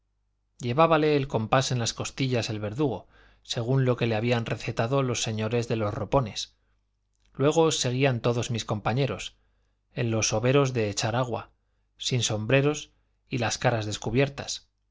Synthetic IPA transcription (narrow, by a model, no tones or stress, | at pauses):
ʎe̞βaβale̞ːlko̞mpase̞nlasko̞st̪iʎase̞lβe̞ɾðuɣo̞̰ | se̞ɣ̞unlo̞ke̞le̞aβ̞ianre̞θe̞t̪aðo̞lo̞sːe̞ɲo̞ɾe̞zðe̞lo̞sro̞po̞ne̞s | lwe̞ɣ̞o̞se̞ɣiant̪o̞ðo̞zmisko̞mpaɲe̞ɾo̞s | e̞nlo̞so̞βe̞ɾo̞zðe̞ːt͡ʃaɾaɣwa̰ | sinso̞mbɾe̞ɾo̞s | ilaskaɾazðe̞skuβje̞ɾt̪as